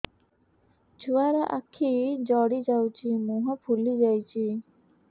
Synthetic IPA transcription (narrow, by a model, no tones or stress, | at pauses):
d͡ʒuaɾɔʔa̰kʰid͡ʒɔɽid͡ʒawt͡ʃʰimuɦɔpʰulid͡ʒajt͡ʃʰi